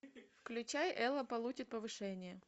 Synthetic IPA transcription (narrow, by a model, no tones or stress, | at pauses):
fklʲʉt͡ɕajʔɛlˠəpɐlˠut͡ɕɪt̪̚pəvɨʂɛnʲɪjə